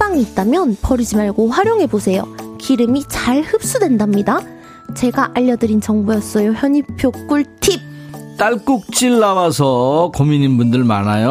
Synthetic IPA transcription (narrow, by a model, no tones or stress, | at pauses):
p͈aŋiːt̚t͈amjʌnpʌɾid͡ʑimaɭɡoɸwaɾjoŋɦe̞bosʰe̞jo̰kiɾɯmit͡ɕaɭhɯp̚s͈udwe̞ndamɲida | t͡ɕe̞ɡaʔaʎːʌdɯɾint͡ɕʌŋbujʌs͈ʌjoçjʌɲipʰjok͈uɭtʰip̚ | t͈aɭk͈uk̚t͡ɕ͈iɭːawasʰʌkomininbundɯɭmanajo